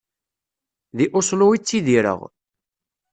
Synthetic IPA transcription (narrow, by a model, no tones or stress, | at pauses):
ðiʔʊslʊit͡sːiðiɾə̰ʁ